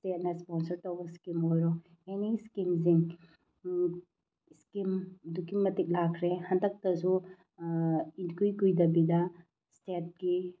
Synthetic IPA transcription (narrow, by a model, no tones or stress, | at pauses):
stet̚nɐsponsɐɾtowbɐskimojɾɔ | eniskimz̬iŋ | skimdukimɐtik̚lakʰɾehɐndɐk̚tɐsu | inkujkujdɐbidɐ | stet̚ɡi